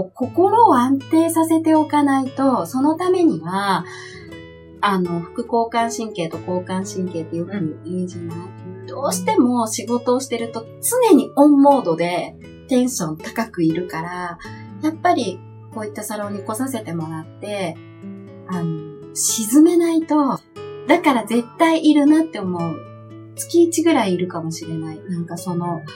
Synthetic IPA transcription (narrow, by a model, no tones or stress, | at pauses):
ko̞ko̞ɾo̞ːãnt̪e̞ːsase̞t̪e̞o̞kanait̪o̞so̞no̞t̪ame̞ɲ̟iβa | ano̞ɸɯ̟̥kɯ̟ko̞ːkãɰ̃ɕĩŋke̞ːt̪o̞ko̞ːkãɰ̃ɕĩŋke̞ːt̪ːe̞jo̞kɯ̟imeʑinat̪d̪̥o̞ːɕi̥t̪e̞mo̞ɕiɡo̞t̪o̞ːɕi̥t̪e̞ɾɯ̟t̪o̞ | t͡sɨne̞ɲ̟iõ̞mːo̞ːd̪o̞d̪e̞ | t̪ẽ̞ɰ̃ɕõ̞nt̪ḁkakɯ̟iɾɯ̟kaɾajapːaɾʲi | ko̞ːit̪ːasaɾoːɲ̟iko̞sase̞t̪e̞mo̞ɾat̪ːe̞ | ano̞ | ɕizɨme̞nait̪o̞ | d̪akaɾaze̞t̪ːaiʔiɾɯ̟nat̪ːe̞o̞mo̞ɯ̟ | t͡sɨ̥kʲiːt͡ɕiɡɯ̟ɾaiːɾɯ̟kamo̞ɕiɾe̞nainãŋkaso̞no̞